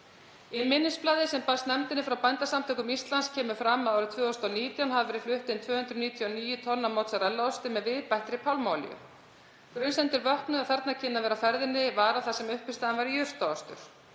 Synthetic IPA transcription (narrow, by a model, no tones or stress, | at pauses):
ɪnmɪnːɪsplaːðɪsɛmpast̪nɛmt̪ɪnɪfɾawpajnt̪asamt̪ʰœːkʏmist̪lanscʰɛːmʏ̥fɾamːaðaːwɾʏt̪ʰvœːɔst̪ɔniːt̪jawnhavɛɾɪflʏht̪ɪnt̪vœːhʏnd̪ɾʏniːt̪ʰjɔniːjʏt̪ʰɔnːamowt̪saɾɛlːaɔst̪ɪmɛðvɪðpajht̪ɾɪpʰawlmawlɪ̰jʏ̰ | kɾʏjnsɛnt̪ɪɾvœhknʏaθɛɾt̪nacʰɪnːavɛːɾafɛɾðɪnːɪvaːɾaθasɛmʏhpɪst̪aðanvaɾijʏr̥t̪aɔst̪ʏ̰ɾ̥